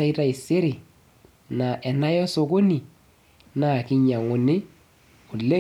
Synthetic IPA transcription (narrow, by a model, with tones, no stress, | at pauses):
a˦i˦ɾa˦ɪ˨sɪ˦ɾɪ˨ | na˨ʔɛ˨na˦jɔ˦so˨ko˦ni˨ | na˨kɪ˦ɲa˨ŋʊ˨nɪ˦ | ʊ˨le˦